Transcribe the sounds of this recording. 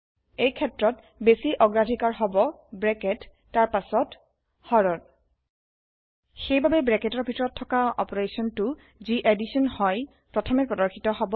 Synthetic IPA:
ejkʰɛtɹɔt | besiʔɔɡɹadʱikaɹɦɔbɔ | bɹɛkɛtː | aɹpasɔt | hɔɹɔn | xejbabɛbɹɛkɛtɔɹbʱitɔɹɔtʰːɔkaɔ̰pɔɹesɔntʊ | ziʔedisɔnhɔj | pɹɔtʰɔmɛpɹɔdɔɹxʰitɔɦɔbɔ

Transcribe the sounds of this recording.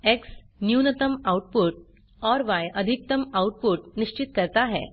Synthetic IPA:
eks | njunət̪əmawʈ̚puʈ̚ | ɔɾʋajəd̪ʱik̚t̪əmawʈ̚puʈ̚niɕt͡ɕit̪̚kəɾt̪aɦɛ̰

